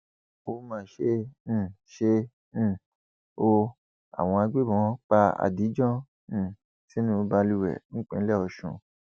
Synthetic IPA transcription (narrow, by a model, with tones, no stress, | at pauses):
o˧˦mãː˦˨ʃẽ˧˨ | ʃẽ˧˦˨ | o˧ | a̰˨w̃ɔ̃˧a˧ɡ͡be˦bɔ̃˧˦k͡pa˧a̰˨di˨˦d͡ʒɔ̃˦˨ | si˦nũ˦ba˧lu˦wɛ̰˨ñ̩˦k͡pḛ̃˧˨˦lɛ˦˨ɔ˧ʃṵ̃˧